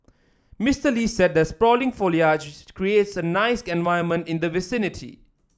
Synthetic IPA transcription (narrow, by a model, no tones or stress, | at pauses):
mɪstəlisɛd̚d̪ɛtspɹɔlɪ̃ŋfoljat͡ʃkɹietsənaɪsɛ̃nvaɪəmə̃ntɪ̃nd̪əvɪsɪnɪtʰḭ